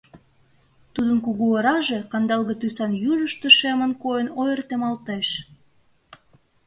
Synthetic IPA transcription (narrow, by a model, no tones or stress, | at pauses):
t̪ud̪ənkuɣuəɾɑʒe̽kɑnd̪ɑlɣə̆t̪ysɑnjuʒəʃt̪eʃemə̆nkojənojərt̪emɑlt̪eʃ